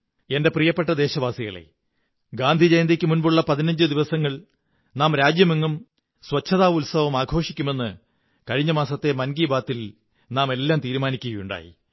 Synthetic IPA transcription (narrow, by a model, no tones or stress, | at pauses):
e̞nde̞prijɐpːe̞ʈːɐd̪e̞ːɕɐʋaːsiɣɐ̰ɭḛ | ɡaːnd̪ʱid͡ʑejnd̪ikʲːɨmunbuɭːɐpɐðinɐɲd͡ʑɨd̪iʋɐsɐŋːɐɭ | naːmɾaːd͡ʑjɐmiŋːum | swɐt͡ɕʰːɐðaːʋulsɐʋɐmaːɡʱo̞ːʂikʲːume̞nːɨ | kɐɻiɲːɐmaːsɐt̪ːe̞mɐnɡiːbaːt̪ːil | naːme̞lːaːmt̪iːɾumaːnikʲːuɣɐjuɳɖa̰ːjḭ